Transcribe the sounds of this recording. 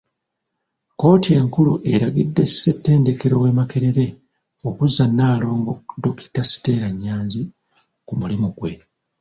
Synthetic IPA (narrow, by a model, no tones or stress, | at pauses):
ko̞ːtieŋkuluʔe̞ɾaɡidːe̞sse̞tːe̞ːnde̞ke̞ɾo̞we̞ːmake̞ɾe̞ɾe̞ | o̞kuzːanːaːlo̞ːŋɡodoki̥tasi̥te̞ːɾaɲːaːnzi | kumulimuɡ̥we̞